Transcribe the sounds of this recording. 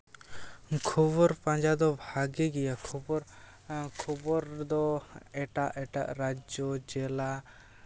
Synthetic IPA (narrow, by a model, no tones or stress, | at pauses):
kʰɔbɔɾpãɲd͡ʒad̪ɔbʱaɡɛɡɛjakʰɔbɔɾ | kʰɔbɔɾd̪ɔɛʈaʔɛʈa̰ʔɾad͡ʒɔd͡ʒɛla